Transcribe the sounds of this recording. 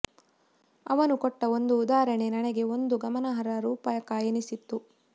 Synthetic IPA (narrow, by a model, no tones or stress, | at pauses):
ɐʋɐnukɔʈːɐo̞nd̪uːd̪aːɾɐɳenɐneɡe̞o̞nd̪uɡɐmɐnɐɦɐɾɐɾuːpɐjɐkaːjɐnisit̪ːu